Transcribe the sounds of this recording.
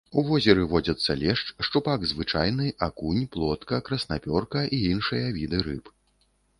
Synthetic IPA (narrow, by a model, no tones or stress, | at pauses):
uvɔzʲɛɾɨvɔd͡zʲɐt̪sːɐlʲɛʂt͡ʂʂt͡ʂupaɡzvɨt͡ʂajnɨʔakunʲplˠɔt̪kɐkɾɐsnapʲɔrkɐʔiinʂɨjɐvʲid̪ɨɾɨ̰p